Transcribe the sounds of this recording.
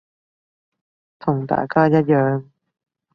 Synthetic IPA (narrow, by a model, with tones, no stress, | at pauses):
t̪ʰʊ˨˩ŋt̪a̰ː˨˩jkaː˥jɐ˥t̚jœː˨ŋ